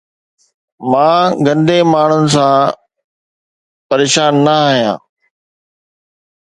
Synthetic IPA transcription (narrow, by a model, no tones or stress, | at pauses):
mãːɡɐ̃nd̪emaːɳ̤ʊnɪ̆s̬ãː | pɐɾeːʃaːnːɐaːɦijã̰ː